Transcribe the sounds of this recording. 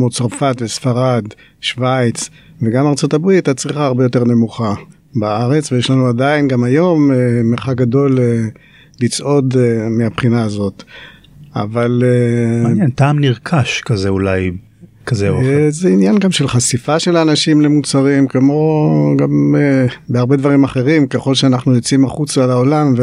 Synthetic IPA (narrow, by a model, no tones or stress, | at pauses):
kmot͡saʁfat̪vesfaʁad̪ | ʃvajt͡s | veɡamaʁt͡so̞t̪abʁitat͡sʁiχaːʁbejo̞t̪e̞ʁne̞muχa | baaʁe̞t͡svejeʃlanuadainɡamajo̞memeʁχak̚ɡado̞le | lit͡sʔo̞d̪meapχinaːzo̞t̪ | a̰valeɲentaːmniʁkʰaʃkazeulaj | kazezeinjanɡamʃe̞lχasifaʃe̞laːnaʃimle̞mut͡saʁimkemo̞ɡamebeaʁbe̞d̪vaʁimaχe̞ʁimkeχo̞lʃeanaχnujot͡siimaχut͡slao̞lamve